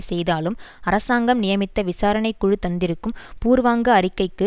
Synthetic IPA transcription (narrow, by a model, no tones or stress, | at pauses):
sɛjðaːlɯmɐɾɐsaːŋɡɐmnɪjɐmɪt̪ːɐʋɪsaːɾɐɳɐɪkːʊɻɯt̪ːɐnd̪ɪɾɯkːɯmpuːɾʋaːŋɡɐːɾɪkːɐɪkːɯ